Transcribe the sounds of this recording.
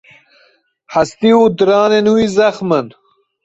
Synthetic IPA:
ħɐst̪iud̪ɾaːnenuizɐxmən

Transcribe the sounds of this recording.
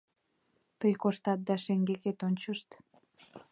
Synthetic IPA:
t̪əjkoʃt̪ɑt̪̚d̪ɑʃeŋɡeket̪onʲt͡ɕəʃt̪

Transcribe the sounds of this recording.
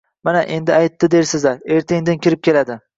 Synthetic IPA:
manaʔe̞nd̪ɪajt̪ːɪd̪e̞ɾsɪzaɾe̞ɾt̪ʰɪŋd̪ɪnkʲɪɾɪp̚kʲʰe̞lad̪ɪ

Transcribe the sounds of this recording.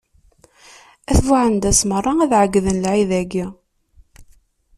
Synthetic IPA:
æθvaʕənd̪æsmərˤːɑæðʕəɡːðənlʕiðæɡi

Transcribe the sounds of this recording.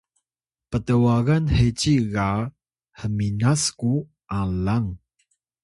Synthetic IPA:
pətəwaɣanhet͡ɕiɣa | həminasku | ʔalaŋ

